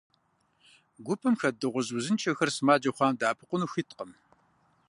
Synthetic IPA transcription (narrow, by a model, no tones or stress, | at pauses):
ɡʷʊpʰʼɨmxɐdɨʁʷʊzwʊzɨnt͡ʃʰɐxɐrsɨmaːd͡ʒɐχʷɑːmdaːpʰɨqʷʊnuːxitqəm